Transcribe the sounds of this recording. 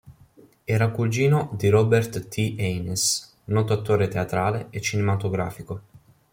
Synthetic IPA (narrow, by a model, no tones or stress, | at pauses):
ɛːɾakuld͡ʒiːnod̪iɾɔbert̪ːiʔɛjnes | nɔːt̪oat̪ːoːɾet̪eat̪ɾaːleet͡ʃːinemat̪oɡɾa̰ːfiko